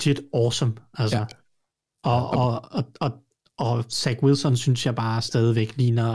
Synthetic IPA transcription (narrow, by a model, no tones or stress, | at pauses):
t͡sʰid̥ɒːsɒ̽mælsə | ɒɒɒɒ̽ | ɒ̽sæɡ̥wilsɒnsynsjɑ̈ɪb̥ɑ̈ːsd̥ɛːð̞ˠiʋeɡ̥lḭːnɐ